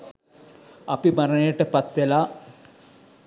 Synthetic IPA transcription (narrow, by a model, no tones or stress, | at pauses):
apimaɾənəjəʈəpat̪ʋelaː